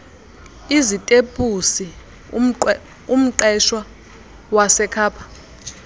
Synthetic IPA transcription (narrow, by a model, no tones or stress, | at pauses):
izitʼepʼusi | um̩ǃɛʃwa | wasɛkʰaːpʰḁ